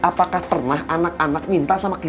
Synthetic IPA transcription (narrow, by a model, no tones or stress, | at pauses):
ʔapakahpərnaɦʔanak̚anak̚mint̪aʔsamaki